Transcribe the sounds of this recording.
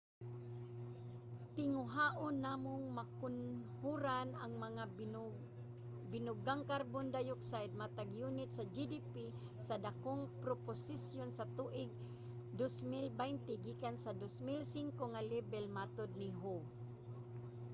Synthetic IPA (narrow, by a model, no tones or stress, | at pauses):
t̪ɪŋʊɦaʔonːamʊŋmakʊnhuɾanaŋmɐŋa | bɪnʊɡaŋkaɾbond̪ajʊksajd̪̚mat̪aɡjunɪt̪sad͡ʒid̪ipi | sad̪akoŋpɾoposisjonsat̪uʔɪɡ̚ | d̪osmilbajnt̪ɪɡikansad̪osmilsɪŋkoŋalɛbɛlmat̪od̪̚nɪɦo